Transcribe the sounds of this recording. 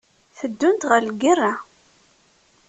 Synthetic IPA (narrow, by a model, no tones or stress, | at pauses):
θəd̪ːʊnt̪ʁəɾlɡirːa